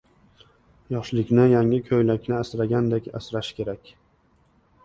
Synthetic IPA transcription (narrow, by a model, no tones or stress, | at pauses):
jɒʃlɪkʲnɪjaŋɪkʲʰɵjlakʲnɪasɾaɡʲand̪ekʲa̰sɾaʃkʲʰe̞ɾakʲ